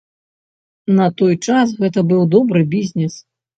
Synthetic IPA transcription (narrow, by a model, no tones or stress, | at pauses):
nɐt̪ɔjt͡ʂas̬ɣɛt̪̬ɐbɨwd̪ɔbɾɨbʲizʲnʲɛs